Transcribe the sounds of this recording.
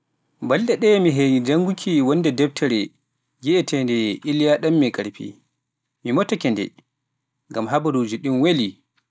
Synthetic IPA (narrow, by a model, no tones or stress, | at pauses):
balɗdɛɗɛmiɦejid͡ʒaŋɡukʰiwɔnːdɛdɛp̚tʰɛɾɛ | ɡiʔɛtɛndɛʔilijaɗamːɛkʼaɾpʰḭ | mimɔtakɛndɛ̰ | ŋɡamɦabaɾud͡ʒiɗimweli